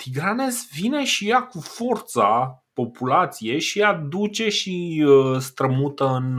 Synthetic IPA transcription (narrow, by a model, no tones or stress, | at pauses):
t̪ʰiɡane̞svine̞ʃijakufo̞rt̪sapo̞pulat̪sije̞ʃiad̪ut͡ʃe̞ʃist̪ɾəmut̪əɨn